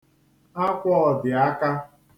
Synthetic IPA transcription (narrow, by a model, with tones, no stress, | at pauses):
a˦kʷɔ˦ɔ˨dɪ˨a˦ka˦